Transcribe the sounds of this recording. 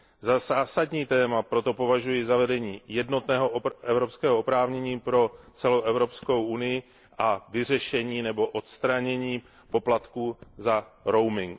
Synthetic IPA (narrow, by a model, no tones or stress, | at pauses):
zazaːsadɲiːt̪ɛːmapɾo̞t̪o̞po̞vaʒujɪzavɛdɛɲiːjɛdno̞t̪nɛːɦoʔɛvɾo̞pskɛːɦoʔopɾaːvɲɛɲiːpɾo̞t͡sɛlowʔɛvɾo̞psko̞wʔunɪjɪ | ʔavɪr̝ɛʃɛɲiːnɛbo̞ʔot̪st̪ɾaɲɛɲiː | po̞plat̪kuːzaɾo̞wmɪŋk